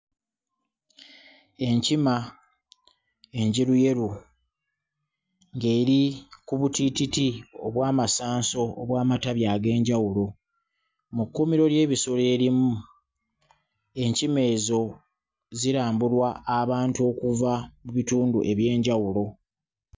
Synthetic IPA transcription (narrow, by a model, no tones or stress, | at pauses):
e̞ɲcima | e̞ɲɟiɾuje̞ɾu | ŋɡe̞ːɾikuβutititioβwaːmasaːnso̞ːβwaːmataβjaːɡe̞ːɲɟawulo̞ | mukːomiɾo̞lje̞ːβiso̞le̞ːɾimu | e̞ɲcime̞ːzo̞ | ziɾaːmbulwaːβaːntuo̞kuvamuβituːndṵʔe̞βje̞ːɲɟawulo̞